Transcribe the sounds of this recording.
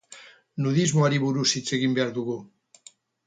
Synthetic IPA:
nuðizmoaɾiβuɾusit͡seɣimbaɾd̪uɣu

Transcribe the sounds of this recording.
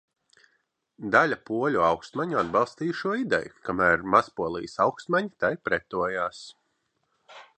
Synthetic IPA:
d̪alʲapuɔlʲuawkst̪maɲuad̪̚bɑlˠst̪iːjʃuɔid̪ɛ̰jukamæːɾmaspuɔlˠḭjsawkst̪maɲit̪ajpɾɛt̪ːuɔjaːs

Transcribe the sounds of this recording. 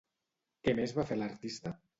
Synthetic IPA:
kemezβafelaɾt̪ist̪ə

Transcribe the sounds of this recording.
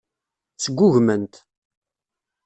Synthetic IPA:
t͡sːəɡʷːʊʝmənt̪

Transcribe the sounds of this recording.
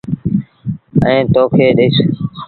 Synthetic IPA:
ə̃ẽːt̪oːkʰeːɗeɪs

